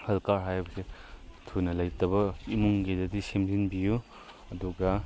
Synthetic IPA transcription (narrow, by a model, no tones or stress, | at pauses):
hɐlkaɾɦajbɐsetʰunɐlɐjtɐbɐimuŋɡedɐdisemdinbiju | ɐduɡɐ